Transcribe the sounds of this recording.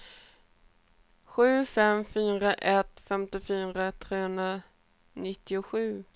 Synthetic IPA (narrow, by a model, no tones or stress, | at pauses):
ɧʉ̟ːfɛmfyːɾaʔɛt̪fɛmt̪ɪfyːɾat̪ʰɾeːhɵnd̪ɾa | nɪt̪ːɪʊɧʉ̟ː